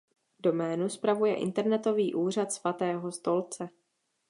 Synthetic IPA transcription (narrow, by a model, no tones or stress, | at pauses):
do̞mɛːnuspɾavujɛ̰ʔɪ̰nt̪ɛɾnɛt̪o̞viːʔuːr̝at̪svat̪ɛːɦo̞st̪o̞lt͡sɛ